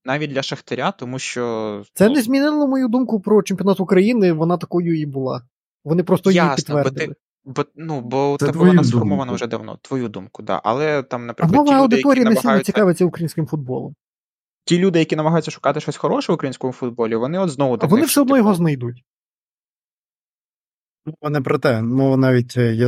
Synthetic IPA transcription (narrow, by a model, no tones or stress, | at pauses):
nɑʋʲit̚ʲd̪ʲlʲɐʃɐxt̪eɾʲat̪ɔmuʃt͡ʃɔt̪sɛnɛzʲmʲinɪlˠɔmɔjud̪umkʊpɾɔt͡ʃɪemʲpʲjɔnɑt̪ʊukɾɐjinɪʋɔnɑt̪ɐkɔjʊibʊlˠɑ̰ | ʋɔnɪpɾɔst̪ɔjipit̪ːʋɛrd̪ɪɪ | bɔnubɔɛɛɔɐɔrmɔʋɐnɐʒɛd̪ɐwnɔ̰t̪ʋɔjud̪umkʊd̪ɑ̰ʔɐ̰lˠɛt̪amnɐpɾɐmɔʋɐɐwd̪ɪt̪ɔɾʲijɐnesʲiljnɔt͡sʲikɑʋet͡sʲːɐukɾɐjinsʲkɪmfʊd̪̚bɔ̰lˠɔ̰m | tʲilʲud̪ɪjɐkʲinɐmɐɦɑjʊt͡sʲːɐʃʊ̥kɑt̪ɪʃt͡ʃɔsʲxɔɾɔʃɛʋʊkɾɐjinsʲkɔmʊfʊd̪̚bɔlʲiʋɔnɪɔd̪znɔʋʊt̪ɐkʋɔnɪfsɛɔd̪nɔjɔɦɔznɐjd̪utʲ | mɔʋɐnɛpɾɔt̪ɛmɔʋɐnɑʋʲit̚ʲja